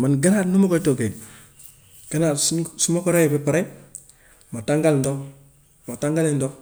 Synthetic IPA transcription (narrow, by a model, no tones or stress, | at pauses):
manɡananumokotoɡe | ɡ̥anassumokoɾajepepaɾe | mataŋɡalndo | mataŋɡalendo